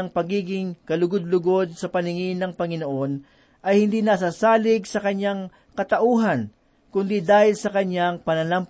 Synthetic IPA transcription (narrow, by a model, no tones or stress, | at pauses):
ɐŋpɐɡiːɡɪŋkɐlʊɡod̪̚lʊɡo̞d̪̚sɐpɐnɪŋɪnɐŋpɐŋɪnoʔo̞n | ʔɐjhɪnd̪inas̬asaːlɪɡsɐkɐɲaŋ | kɐt̪ɐʔuːɦɐn | kʊnd̪id̪aːhɪlsɐkɐɲːaŋpɐnɐnamp